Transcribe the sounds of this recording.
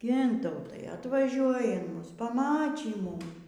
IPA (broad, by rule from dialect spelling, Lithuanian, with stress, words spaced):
ˈɡʲɪntɐʊtɐɪ ɐtʋɐˈʒʲuɔjɪ ɪn ˈmʊs pɐˈmɑːt͡ʃʲiː ˈmʊm